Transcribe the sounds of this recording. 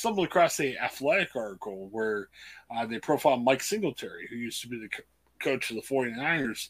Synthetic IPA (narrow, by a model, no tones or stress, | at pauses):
sʌ̃mb̩̃ˠɨkʰɹ̥ɔsiæθlɛɾɨkɑɹɾɨkl̩ˠwə˞ | ðeɪpʰɹ̥oʊfaɪl̚ˠmaɪksɪ̃ŋɡl̩ˠtʰɛɹḭhʉjʉstʰəbiðɨ | kʰoʊt͡ʃʰʌðəfɔɹĩnɨ̃naɪə˞z̥